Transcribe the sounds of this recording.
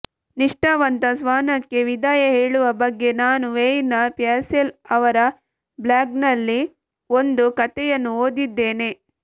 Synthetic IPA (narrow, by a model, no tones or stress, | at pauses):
niʂʈaːʋɐnt̪ɐsʋaːnɐkːe̞ʋid̪aːjɐɦeːɭuʋɐbɐɡːe̞naːnuʋejnɐpjaːɾselɐʋɐɾɐ | blaːɡnɐlːi | o̞nd̪ukɐt̪ɛjɐnːuoːd̪id̪ːe̞ːne̞